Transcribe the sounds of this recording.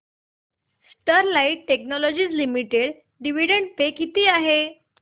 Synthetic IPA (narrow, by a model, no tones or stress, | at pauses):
sʈəɾlaiʈːeknɔlɔd͡ʑiːt͡slimiʈeɽ | ɖiʋiɽəɳɖ̚pekːit̪iːaɦe